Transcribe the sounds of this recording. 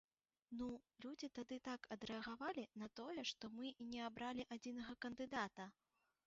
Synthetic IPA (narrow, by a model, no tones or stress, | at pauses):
nulʲud͡zʲit̪ad̪ɨt̪akɐd̪ɾɛɐɣavalʲinɐt̪ɔjɛʂt̪ɔmɨinʲɛabɾʔalʲiʔad͡zʲinɐɣɐkɐnd̪ɨd̪at̪ɐ